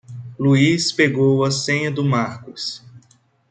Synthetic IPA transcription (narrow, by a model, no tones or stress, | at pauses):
luispeɡowɐsẽɲɐd̪ʊmaɾkʊs